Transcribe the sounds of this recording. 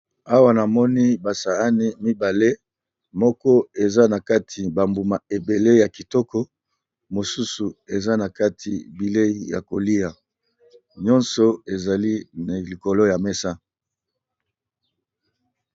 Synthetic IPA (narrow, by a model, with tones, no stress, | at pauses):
a˦wa˦na˨mɔ˦ni˦ba˨sa˨a˦ni˦mi˦ba˨le˦ | mɔ˦kɔ˦e˨za˦na˨ka˦tʰi˨ba˨mbu˨ma˨e˨be˨le˦ja˨ki˨tɔ˦kɔ˦ | mo˨su˦su˨e˨za˦na˨ka˦tʰḭ˨bi˨le˦i˨ja̰˨ko˨li˦a˨ | ɲɔ˦nsɔ˨e˨za˨li˦na˨li˨ko˨lo˦ja˨mɛ˦sa˦